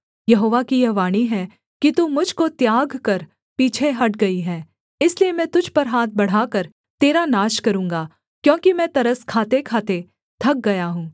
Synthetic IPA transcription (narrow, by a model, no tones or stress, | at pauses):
jɐɦoːʋakijɐʋaːɽ̃iɦɛ | kit̪umʊd͡ʒʱkot̪jaːɡkɐɾ | piːt͡ʃʰeɦɐʈ̚ɡɐiɦɛː | ɪsliemɛ̃ːt̪ʊd͡ʒʱpɐɾɦaːt̪̚ʰbɐɽ̤aːkɐɾ | t̪eːɾanaːʃkɐɾũːŋɡaː | kjõːkimɛ̃ːt̪ɐɾəskʰaːt̪ekʰaːt̪e | t̪ʰɐk̚ɡɐjaɦũː